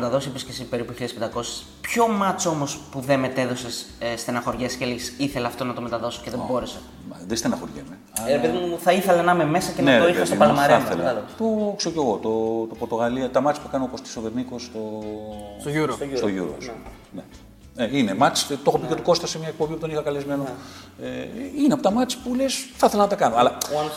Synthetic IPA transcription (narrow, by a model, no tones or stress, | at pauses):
et̪ɐðo̞siepiscʲesipe̞ɾipuçiɐðspend̪ɐko̞se̥s | pço̞mɐt͡so̞mo̞spuðeme̞t̪e̞ðosesst̪enɐxo̞ɾʝesceleʝisiθe̞leɐft̪o̞nɐt̪o̞me̞t̪ɐðo̞so̥ceðebo̞ɾese | ðest̪enɐxoɾʝemeɐepeðimθɐiθelɐnɐmeme̞sɐcemet̪oixɐst̪pɐlomɐɾeɐθelɐɐloɣot̪okseoce̞ɣot̪ot̪opoɾt̪o̞ɣɐliɐt̪ɐmɐt͡si̥pukɐnooːkost̪i̥soveɾniko̞st̪o | uɾst̪oʝṵɾo̰s | ne | einemɐt͡si̥t̪o̞xopicet̪u̥ko̞st̪ɐsemɲɐek̚pombiput̪o̞nixɐkɐlezmeno | eineɐpot̪ɐmɐt͡si̥pulesθɐθelɐnɐt̪ɐkɐnoɐlɐ